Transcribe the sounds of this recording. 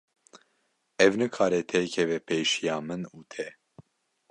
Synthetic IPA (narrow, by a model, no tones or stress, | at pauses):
ɛvnɨkʰaːɾɛt̪ʰɛkʰɛvɛpʰejʃijɑːmɨnuːt̪ʰɛ